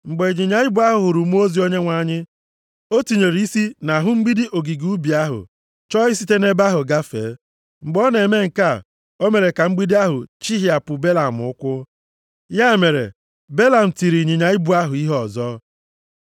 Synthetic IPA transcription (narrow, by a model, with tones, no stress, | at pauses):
ŋ͡m̩˨ɡ͡be˨ɲi˨ɲa˨ɪ˦bu˦a˦ɦʊ˨ɦʊ˨ɾʊ˨m˦o˦zi˨o˦ɲe˦ŋʷa˨˦˨ɲɪ˦ | o˦ti˨ɲe˨ɾi˨i˦si˦na˨ɦʊ˦ŋ͡m̩˦ɡ͡bi˦di˦ʔo˨ɡi˨ɡu˦bi˨a˦ɦʊ̰˨ | t͡ʃɔ˦ɪ˦si˦te˦ne˦ba˦ɦʊ˨ɡa˦fḛː˨˦ | ŋ͡m̩˨ɡ͡bɔ˦ne˨me˦ŋ̩˨ka˦˨ | o˦me˨ɾe˨ka˨ŋ͡m̩˦ɡ͡bi˦di˦a˦ɦʊ˨t͡ʃi˦ɦi˨˦a˨pʊ˨be˦la˨m̩˨ʊ˦kʷʊ˦ | ja˦e˨me˨ɾḛ˨ | be˦la˨m̩˨ti˨ɾi˨ɲi˨ɲa˨ɪ˦bu˨˦a˦ɦʊ˨i˦ɦɔ˨zɔ˦